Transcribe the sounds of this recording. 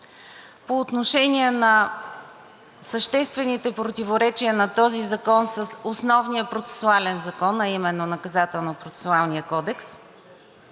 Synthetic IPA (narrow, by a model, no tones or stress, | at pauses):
poːt̪noʃɛniɛnɐ | səʃt̪ɛst̪vɛnit̪ɛpɾot̪ivoɾɛt͡ʃiənɐt̪ɔzizɐkɔnsəsosnɔvnijəpɾot̪sɛ̥sualɛnzɐkɔnɐimɛnːonɐkɐzat̪ɛlˠnopɾot̪sɛ̥sʊalˠnijəkɔd̪ɛks